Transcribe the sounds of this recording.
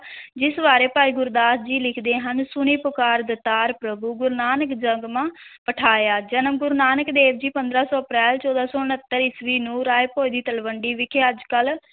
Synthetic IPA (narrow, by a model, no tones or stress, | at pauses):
d͡ʒɪsbaːɾeːpaːiːɡʊɾd̪aːt̪ʰd͡ʒiːlɪkʰd̪eːɦənsʊniːpʊkaːɾd̪ət̪aːɾpɾəbuːɡʊɾnaːnəkd͡ʒəŋɡmãːpəʈʰaːjaːd͡ʒənəmɡʊɾnaːnəkd̪eːʋd͡ʒiːpənd̪ɾaːsɔːəpɾɛːlt͡ʃɔːd̪aːsɔːʊnət̪ːəɾɪsʋiːnũːɾaːepoːid̪iːt̪əlʋəɳɖiːʋɪkʰeːəd͡ʒkəl